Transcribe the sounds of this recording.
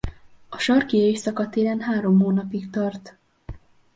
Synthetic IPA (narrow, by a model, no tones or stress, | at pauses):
ɒʃɒrkieʃsɒkɒt̪eːlɛnɦaːɾo̞mɦoːnɒpikt̪ɒrt̪